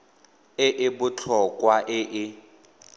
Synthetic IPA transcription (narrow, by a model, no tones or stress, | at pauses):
ɪʔɪbʊt͡ɬʰɔkʼwaʔɪʔɪ